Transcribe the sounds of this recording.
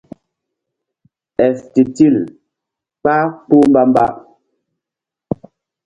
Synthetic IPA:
ɛ˨sti˨ti˦˨l | k͡pa˦k͡pu˦m̩˦ba˦m˦ba̰˦ʔ

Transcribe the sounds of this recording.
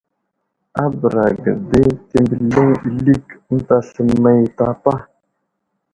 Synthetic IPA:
a˦bə˨ɾa˨ɡə̰˨de˦te˨mbə˨lə˦ŋi˨li˦kn̩˦ta˨ɬə˨mːa˦ji˨ta˦pa˦

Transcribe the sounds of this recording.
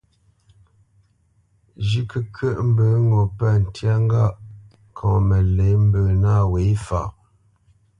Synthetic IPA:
d͡ʒi˦kə˨kʰə˦ʔm̩˦bə˨˦ŋɔ˨pɛ˦˨n̩˨tja˦ŋ˦ɡa˦˨ʔ | kʰɔ̃ː˨mə˨le˨˦m̩˦bə˨na˦˨we˨˦fa̰˨

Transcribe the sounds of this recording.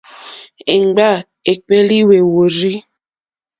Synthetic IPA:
e˨ŋ͡mɡ͡ba˦˨ | e˨k͡pe˦li˦we˨wo˨ɾi˦

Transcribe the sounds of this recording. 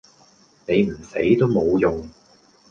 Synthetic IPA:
ne˨˧jm̩˨˩se˨˥jt̪o˥wmo˨˧wjʊ˨ŋ

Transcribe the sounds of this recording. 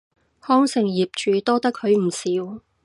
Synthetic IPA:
hɔː˥ŋsɪ˨˩ŋjiː˨p̚t͡ʃyː˨˩t̪ɔː˥t̪ɐ˥kʰːɵ˨˧ɥm̩˨˩siː˨˥w

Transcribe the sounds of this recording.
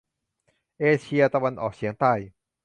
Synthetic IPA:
ʔeː˧t͡ɕʰi˧ɐt̪a˧wa˧nʔɔː˨˩k̚sʰi˨˩˦əŋt̪aː˥˩j

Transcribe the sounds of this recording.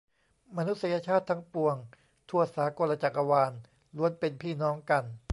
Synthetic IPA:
ma˧nu˦˥t̪̚sa˧ja˧t͡ɕʰaː˥˩t̪ʰːa˦˥ŋpu˧əŋ | t̪ʰu˧˩ɐəsaː˩˦ko˧la˧t͡ɕa˨˩k̚ʔa˧waː˧n | lu˧˦ənpe˧npʰiː˥˩nɔː˦˥ŋka˧n

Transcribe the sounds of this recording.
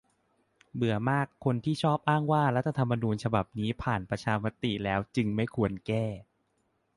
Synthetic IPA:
bɯ˨˩˦ɐmaː˥˩kʰːo˧nt̪ʰiː˥˩t͡ɕʰɔː˥˩p̚ʔaː˥˩ŋwaː˥˩ɾa˦˥t̪ʰːa˧t̪ʰa˧mːa˧nuː˧nt͡ɕʰa˧ba˨˩p̚niː˦˥pʰaː˨˩npɾa˧t͡ɕʰaː˧ma˦˥t̪i˨˩lɛː˦˥wt͡ɕɯ˧ŋma˥˩jkʰu˧ənkɛː˥˩

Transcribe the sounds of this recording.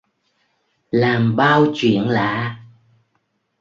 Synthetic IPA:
laː˨˩mɓaː˧wt͡ɕwḭ˧˨ənla̰ː˧˥˨

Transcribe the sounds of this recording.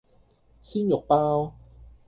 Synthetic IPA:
siː˥njʊ˨k̚paː˥w

